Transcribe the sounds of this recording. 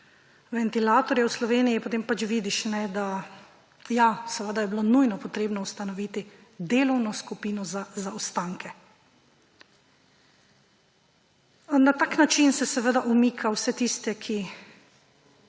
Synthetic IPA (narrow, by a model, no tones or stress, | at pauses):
ʋɛnt̪ilaːt̪ɔɾjɛwslɔʋeːnijipot̪eːmpat͡ʃʋiːd̪iʃnɛd̪a | jasɛʋəd̪ajɛbilonujnɔpɔt̪ɾeːbnɔwst̪anɔʋiːt̪id̪eːlɔwnɔskupiːnɔzazaɔst̪aŋkɛ | nat̪aːknat͡ʃinsɛsɛʋəd̪aʔumiːkʰawsɛt̪ist̪ɛkʰi